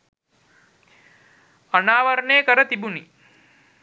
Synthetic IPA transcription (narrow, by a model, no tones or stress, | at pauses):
anaːʋəɾɳeːkəɾət̪ibuni